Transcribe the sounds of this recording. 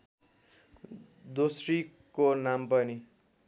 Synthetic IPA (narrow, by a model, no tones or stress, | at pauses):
d̪osri | konampʌni